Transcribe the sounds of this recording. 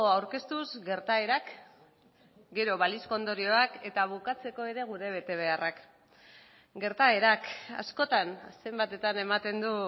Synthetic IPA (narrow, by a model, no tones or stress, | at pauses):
oawɾke̞st̪uzɡe̞ɾt̪ae̞ɾak | ɡe̞ɾo̞βaliskond̪o̞ɾio̞ake̞t̪aβ̞ukat͡se̞ko̞e̞ɾe̞ɣ̞uɾe̞β̞e̞t̪e̞β̞e̞arak | ɡe̞ɾt̪ae̞ɾaka̰sko̞t̪anse̞mbat̪e̞t̪ane̞mat̪e̞nd̪u